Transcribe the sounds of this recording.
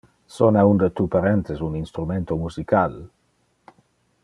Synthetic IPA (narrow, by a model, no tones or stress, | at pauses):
sonaund̪ət̪upaɾent̪esuninst̪ɾument̪omusikal